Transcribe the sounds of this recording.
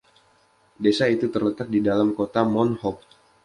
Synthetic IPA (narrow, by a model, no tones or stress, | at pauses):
desait̪ut̪ərlət̪ak̚didalamkot̪amɔnhɔk̚